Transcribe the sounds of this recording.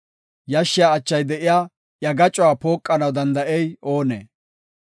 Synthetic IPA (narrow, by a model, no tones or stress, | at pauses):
jɐʃːɪjaːt͡ʃːɐjd̪ɛʔɪjaː | jɐɡɐt͡ʃʼʊwaːpo̞ːkʼːɐnɐwd̪ɐnd̪ɐʔɛjo̞ːnḛː